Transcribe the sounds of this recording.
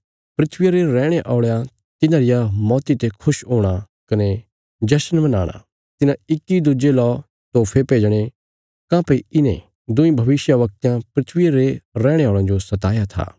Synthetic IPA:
pɾɪt̪ʰʋɪjaɾeɾɛːɽ̃eʔɔːɭjã | t̪ɪnãɾɪjamɔːt̪it̪ekʰʊʃɦoːɽ̃a | kɐne | d͡ʒɛːsənbɐnaːɽ̃a̰ | t̪ɪnãɪkːid̪ʊd͡ʒelɔː | t̪oːpʰepeːd͡ʒɽ̃e | kãːpeiɪnḛ̃ | d̪ʊ̃ĩbʱɐʋɪʃjaʋɐk̚t̪jãpɾɪt̪ʰʋɪaɾeɾɛ̃ːɽ̃eɔːɭãd͡ʒosɐt̪aːjat̪ʰa̰ː

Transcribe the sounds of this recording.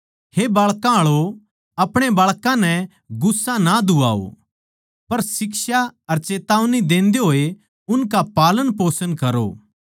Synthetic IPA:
hebaːɭkãɭo | ɐpɽ̃ebaːɭkãnɛ | ɡʊsːãnad̪ʊa̰ːo̰ | pɐɾsɪksaɐɾt͡ʃeːt̪aːʋnid̪ẽːnd̪eɦoːe | ʊnkapaːlənpoːsənkɐɾo̰

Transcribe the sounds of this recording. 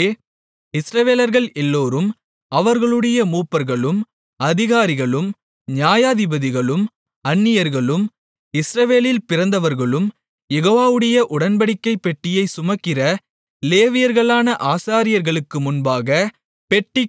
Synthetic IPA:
ɪsɾɐʋeːlɐɾɣɐɭɛlːoːɾɯm | ɐʋɐɾɣɐɭɯɽɐjɐmuːpːɐɾɣɐɭɯm | ɐðɪɣaːɾɪɣɐɭɯm | ɲjaːjaːðɪbɐðɪɣɐɭɯm | ɐnːɪjɐɾɣɐɭɯm | ɪsɾɐʋeːlɪlpɪrɐnd̪ɐʋɐɾɣɐɭɯm | jɛɣoːʋaːʋɯɽɐjɐʔʊɽɐnbɐɽɪkːɐɪpːɛʈːɪjɐɪsʊmɐkːɪɾɐ | leːʋɪjɐɾɣɐɭaːnɐʔaːsaːɾɪjɐɾɣɐɭɯkːɯmʊnbaːɣɐ | pɛʈːɪ

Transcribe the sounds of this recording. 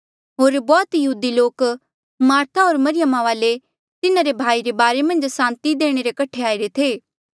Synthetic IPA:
ɦoːɾbɔːt̪jɐɦuːd̪iloːk | maːɾt̪ʰaɦoːɾmɐɾɪjəmaʋaːle | t̪ɪnaɾebʱaːiɾebaːɾemɐ̃nd͡ʒsãːnt̪id̪eːɽ̃eɾekɐʈʰeaːiɾet̪ʰeː

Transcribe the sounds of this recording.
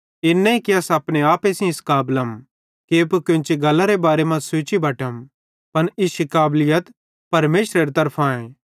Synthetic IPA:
ɪnːɛ̃ikiɐsɐpɽ̃eaːpesĩɪskaːbləm | keːpkõnt͡ʃiɡɐlːaɾebaːɾemɐ̃d͡ʒsʊːt͡ʃibʱɐʈəm | pɐnɪʃikaːblɪjət̪ | pɐɾmeːʃɾeɾit̪ɐɾpʰãːẽ

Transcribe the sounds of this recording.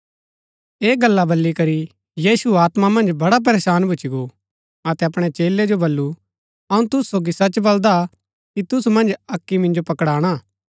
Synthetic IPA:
eːɡɐlːabɐlːikɐɾi | jiːsuaːt̪mamɐ̃nd͡ʒbɐɽap̬ɐɾeːsaːnbʱʊt͡ʃiɡo | ɐt̪ɛɐpɽ̃ɛt͡ʃeːlːed͡ʒobɐlːu | ɐũt̪ʊsu̥soːɡisɐt͡ʃbɐld̪a | kit̪ʊsumɐ̃nd͡ʒɐkːimɪ̃nd͡ʒopɐkɽaːɽ̃aː

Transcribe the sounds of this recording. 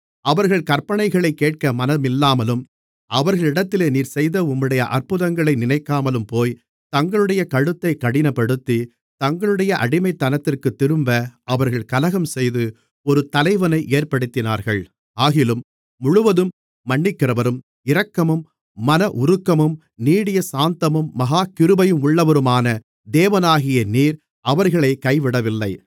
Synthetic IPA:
ɐʋɐɾɣɐɭkɐrpɐɳɐɪɣɐɭɐɪkːeːʈ̚kɐmɐnɐmɪlːaːmɐlɯm | ʔɐʋɐɾɣɐɭɪɽɐt̪ːɪleːniːɾsɛjðɐʊmːɪɽɐjɐʔɐrpɯðɐŋɡɐɭɐɪnɪnɐɪkːaːmɐlɯmpoːj | t̪ɐŋɡɐɭɯɽɐjɐkɐɻɯt̪ːɐɪkɐɽɪnɐpːɐɽɯt̪ːi | t̪ɐŋɡɐɭɯɽɐjɐʔɐ̰ɽɪmɐɪt̪ːɐnɐt̪ːɪrkɯt̪ːɪɾɯmbɐʔɐʋɐɾɣɐɭkɐlɐɣɐmsɛjðɯ | ɔɾɯt̪ɐlɐɪʋɐnɐɪʔeːrpɐɽɯt̪ːɪnaːɾɣɐɭ | aːɣɪlɯmː | ʊɻʊʋɐðɯmː | ɐɳːɪkːɪrɐʋɐɾɯm | ɪɾɐkːɐmɯmː | ɐnɐʔʊɾɯkːɐmɯm | niːɽɪjɐsaːnt̪ɐmɯmːɐɣaːkɪɾɯbɐjɯmʊɭːɐʋɐɾɯmaːnɐ | d̪eːʋɐnaːɣɪjɐniːɾ | ɐʋɐɾɣɐɭɐɪkɐɪʋɪɽɐʋɪlːɐɪ

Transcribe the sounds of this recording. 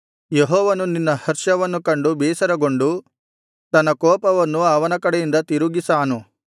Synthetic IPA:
jeɦɔːʋɐnuninːɐhɐɾʂɐʋɐnːukɐɳɖubɛːsɐɾɐɡo̞ɳɖu | t̪ɐnːɐkɔːpɐʋɐnːuaːʋɐnɐkɐɽɛjind̪ɐt̪iɾuɡisaːnu

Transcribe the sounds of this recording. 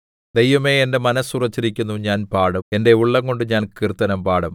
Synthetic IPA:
d̪ejʋɐme̞ːende̞mɐnɐsurɐt͡ɕːiɾikʲːunːuɲaːnpaːɽɐe̞nde̞uɭːɐŋko̞ɳɖɨɲaːnkirt̪ːɐnɐmpaːɽɐm

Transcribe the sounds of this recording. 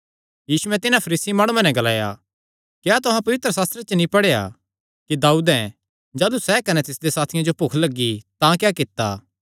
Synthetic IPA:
jiːsuɛ̃t̪ɪnapʰɐɾiːsimaːɽ̃uãnɛ̃ɡɐlaːja̰ | kjat̪ʊɦãpɐʋɪt̪ɾəsaːst̪ɾet͡ʃənĩpɐɽeja̰ | kid̪aːuːd̪ɛ̃ | d͡ʒaːlusɛkɐnɛt̪ɪsd̪esaːt̪ʰɪjãd͡ʒopokʰlɐɡːit̪ãkjakɪt̪ːa̰

